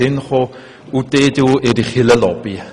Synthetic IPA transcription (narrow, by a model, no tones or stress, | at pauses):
ɪnχo | udedɪwediχɪləlɔb̥i